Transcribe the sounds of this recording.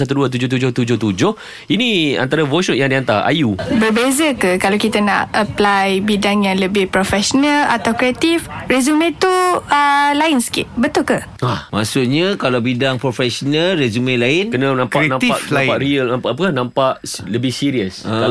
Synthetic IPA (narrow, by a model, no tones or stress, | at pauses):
sat̪uduat̪ud͡ʒʊht̪ud͡ʒʊht̪ud͡ʒʊht̪ud͡ʒʊh | inia̰nt̪aɾavoʃɔnjaŋdiant̪aa̰jubərbezakəkalawkit̪ana̰ʔəplajbidaŋjaŋləbɪhpɾofɛsonə̃la̰t̪awkɾeat̪ifɾezumẽt̪uəlaɪnsə̥kɪ̰t̪̚bət̪ʊlkə | amasuʔɲakalawbidaŋpɾofɛsonalrezumelaɪnkənənãmkanãmt̪aʔãpaʔɾiəlnãmpaʔap̬əkahnãmpaʔləbɪhsiɾiəsə